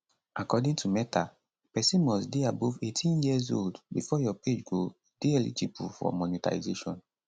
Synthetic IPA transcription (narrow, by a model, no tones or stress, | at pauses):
akɔdĩŋtʰumɛtʰa | pɛsĩnmɔsdeabuvetʰĩnjizo̰ldbifɔjɔped͡ʒɡo | d̥iɛlḭtipufɔ̰mɔnita̰izeʃɔ̰̃n